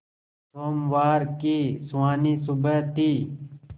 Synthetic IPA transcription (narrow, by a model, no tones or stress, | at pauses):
soːmʋaːɾkiːswaːniːsubət̪iː